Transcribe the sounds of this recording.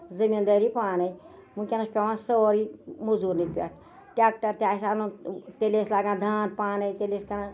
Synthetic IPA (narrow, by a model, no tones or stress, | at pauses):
zəmind̪əɾipaːnɐj | mũkʲenɐspʲaʋãːsəoɾimuzuɾnipʲa̰ | ʈʲaːk̚ʈɐɾt̪ʲaːsaːnut̪eleːslaːɡãːd̪ʱaːnpaːnɐjt̪eleːskɐna